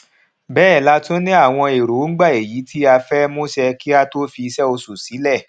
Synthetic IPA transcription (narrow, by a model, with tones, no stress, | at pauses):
bɛː˦˨la˦to˦nĩ˦a˦˨w̃ɔ̃˧e˨ɾo˨˦ŋ̩˦ɡ͡ba˦˨e˨ji˨˦tʰi˦a˧fɛ˦mo˦sɛ˧ki˦a˧to˦fi˧sɛ˦o˧su˨si˨˦lɛ˦˨